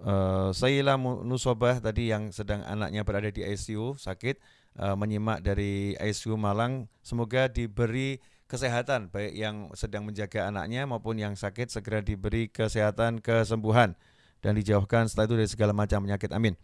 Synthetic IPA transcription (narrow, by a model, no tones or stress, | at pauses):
əsailahmunusobaht̪adijaŋsədaŋa̰na̰k̚ɲabəɾadadiajsiusakɪt̪̚ | ʔəməɲimaʔdaɾia̰jsiumalaŋsəmoɡadibəɾi | kəseɦat̪anbaɪkjaŋsədaŋməɲd͡ʒaɡaːna̰k̚ɲamaupʊnjaŋsakɪt̪̚səɡəɾadibəɾikəseɦat̪ankəs̬əmbuɦan | d̥andid͡ʒawahkansə̥t̪aʔit̪udaɾisəɡalamat͡ʃampəɲakɪt̪amɪn